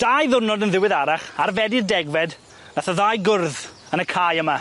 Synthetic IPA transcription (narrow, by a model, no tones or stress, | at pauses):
d̥ajðʊrnɔdənðɪwɪðaɾaχaɾvɛdirdɛɡwvɛd | naθaðajɡʊrð | ənəkʰajəma